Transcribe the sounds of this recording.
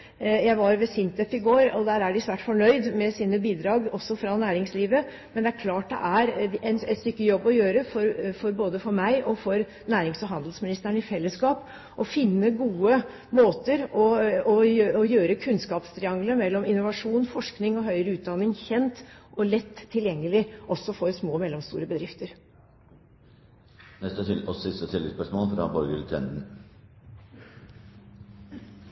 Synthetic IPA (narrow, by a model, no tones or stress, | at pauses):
jæɪʋɑɾʋɛsɪnt̪ɛpɪɡoːɾɔd̪æːɾæɖɪsʋæːʈfɔɳœʏd̪mɛsiːnəbiːd̪ɾɑːɡɔsːɔfɾɑnæːɾɪŋsliːʋə | mɛnd̪ɛæɾkʰlɑːʈ̚d̪ɛ̰ʔæɾɛnɛt̪st̪ʏkːəjɔbːɔjøːɾəfɔɾfɔɾboːd̪əfɔɾmæɪʔɔfɔɾ | næːɾɪŋsɔɦɑnd̪lsmɪnɪst̪əɳɪfɛlːəskɑːp | ʔɔfɪnːəɡuːə | moːt̪əɾɔɔjɔjøːɾəkʰʉnskɑːpst̪ʰɾɪɑŋɡləmɛlːɔmɪnːʊʋɑʂuːnfɔʂknɪŋɔɦœʏɾəʉːt̪̚d̪ɑnːɪŋçɛnt̪ʔɔlɛt̪ʰːɪljɛŋːəlɪʔɔsːɔfɔɾsmoːmɛlːɔmst̪ṵːɾəbəd̪ɾɪft̪əɾ | nɛst̪əɪɔsɪst̪ət̪ʰɪləspœʂmoːlfɾɑ̰ːbɔɾɡəɾt̪ʰɛ̰nn